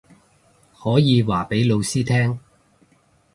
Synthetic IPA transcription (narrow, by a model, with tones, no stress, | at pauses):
hɔː˨˥jiː˨˧waː˨˩pe˨˥jlo˨˧wsiː˥t̪ʰɛː˥ŋ